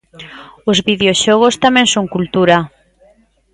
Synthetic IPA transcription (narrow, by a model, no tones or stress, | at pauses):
ozβiðeoʃoɣ̞ost̪amɛ̃nsoŋkult̪uɾa